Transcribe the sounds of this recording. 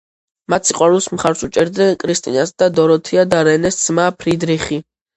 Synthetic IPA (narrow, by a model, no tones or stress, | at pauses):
mat̪sʰiqʼwaɾulˠsmχaɾsut͡ʃʼɛɾd̪nɛnkʼɾist̪ʼḭnasd̪ad̪ɔɾɔt̪ʰiad̪aɾɛnɛsd̪z̥mapʰɾid̪ɾiχi